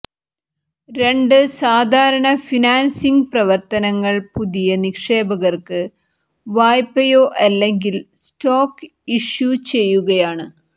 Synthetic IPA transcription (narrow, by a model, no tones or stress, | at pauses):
ɾe̞ɳɖɨsaːd̪ʱaːɾɐɳɐfinaːnsiŋɡprɐʋɐrt̪ɐnɐŋːɐɭpuðijɐnikʂe̞ːbɐɣɐrkɨ | ʋaːjpːɐjoːʔɐlːeŋɡilstoːk | iʂjut͡ɕe̞jːuɣɐjaːɳɨ